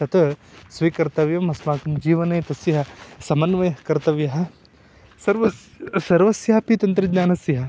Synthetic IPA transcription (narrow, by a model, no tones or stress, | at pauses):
t̪ɐt̪ɐsʋikɐɾt̪ɐʋjɐmɐsmaːkɐmd͡ʒiːʋɐnɐːt̪ɐsjɐɦɐsɐmɐnʋɐjɐɦkɐɾt̪ɐʋjɐɦɐ | sɐɾʋɐ | sɐɾʋɐsjɐɦɐpit̪ɐnt̪ɾɐd͡ʒnaːnɐsjɐɦɐ